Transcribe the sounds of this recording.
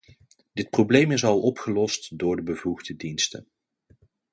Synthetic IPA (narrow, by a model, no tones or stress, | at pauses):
dɪt̚prowblejmɪsɑlˠɔpχəlɔstdʊːɹdəbəvuɣdədinstə̰n